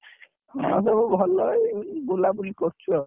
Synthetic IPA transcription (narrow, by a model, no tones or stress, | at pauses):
hɔ̰̃sebubʱɔlɔbolabulikɔɾt͡ʃʰɔ